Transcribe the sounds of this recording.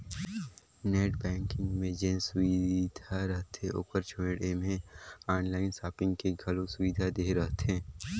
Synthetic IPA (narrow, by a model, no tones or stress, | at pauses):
neːʈbɛ̃ːŋkɪ̃ŋɡmẽd͡ʒẽːnsʊʋid̪ʱaɾɐɦt̪ẽʔo̰ːpəɾt͡ʃʰoeɖemẽaːnlaːɪnsaːpɪ̃ŋɡkeɡʱɐlõsʊʋid̪ʱad̪eːɾɐɦt̪ẽː